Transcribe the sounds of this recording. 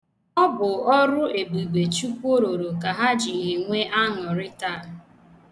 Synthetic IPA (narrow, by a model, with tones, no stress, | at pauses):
ɔ˦bʊ˨ɔ˦ɾʊ˦e˨bu˨ɡ͡be˨t͡ʃu˦kʷu˦o˦ɾo˨ɾo˨ka˨ɦa˦d͡ʒi˨ɦi˨ŋʷe˦ʔa˦ŋɔ˨ɾɪ˦ta˦˨